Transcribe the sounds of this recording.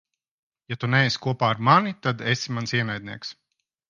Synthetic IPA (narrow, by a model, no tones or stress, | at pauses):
jat̪unɛːskuɔpaːaɾmanit̪ad̪esimansiɛnajd̪̚ʲnʲiɛks